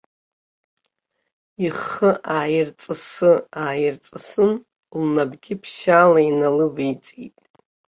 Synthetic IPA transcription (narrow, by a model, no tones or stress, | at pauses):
iχəʔaːjɪrt͡sʼɨsɨaːjɪrt͡sʼɨsɨn | lnabɡʲɪpʰʃalainalɨvit͡sʼḭtʼ